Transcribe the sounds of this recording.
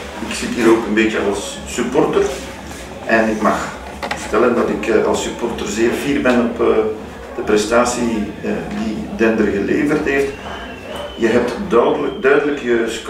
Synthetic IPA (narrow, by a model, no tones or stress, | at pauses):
ɪksɪtɦiːɾoːkənbeːtjəɑlˠsː | ypɔrtər | ʔɛnɪkmɑx | ərtɛləndɑtɪkɑ̰lˠsypɔrtərzeːrviːrbɛnɔpː | d̥əprɛstaːsididɛndərɣəleːvərtɦeːft | jəɦɛp̚tdœdələkdœɥdələkjəsk